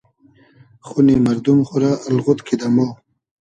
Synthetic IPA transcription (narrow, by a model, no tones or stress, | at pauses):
χunimaɾd̪umχuɾalɣut̪kʰid̪amo